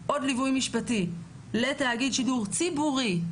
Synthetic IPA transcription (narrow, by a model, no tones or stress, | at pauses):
ʔo̞dlivujmiʃpati | letaːɡid̪ʃiduʁt͡sibuʁi